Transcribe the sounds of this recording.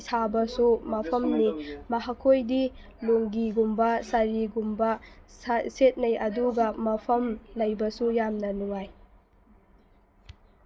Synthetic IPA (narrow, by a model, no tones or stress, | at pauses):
sabɐsumɐpʰɐmnimɐɦakʰojdi | loŋɡiɡumbɐsɐɾiɡumbɐsset̚nɐjɐduɡɐmɐpʰɐmlɐjbɐsujamnɐnuŋaj